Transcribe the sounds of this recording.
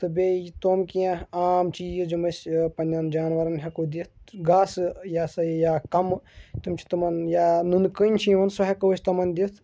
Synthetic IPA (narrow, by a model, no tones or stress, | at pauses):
t̪ɨbʲeːt̪oːmkijãaːmt͡ʃiːd͡ʒd͡ʒɐmɐsʲpɐnʲːɐnd͡ʒaːnʋɐɾɐnɦʲɐkud̪it̪̚ʰɡaːsjaːsɐjjaːkɐmt̪umt͡ʃʰi̥t̪ɐmɐnjaːnunkɨnʲt͡ʃʰiʋɐnsɐɦɐkɐʋɐsʰʲt̪ɐmɐnd̪it̪ʰ